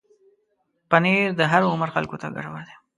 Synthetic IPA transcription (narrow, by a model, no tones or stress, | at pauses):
paned̪əɦaɾʊməɾxa̰lkot̪a̰ɡa̰ʈawaɾd̪e